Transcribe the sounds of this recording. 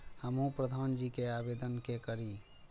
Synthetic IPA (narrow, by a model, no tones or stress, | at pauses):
həmɦũpɾəd̪ʱaːnd͡ʒikeabed̪ənkekəɾi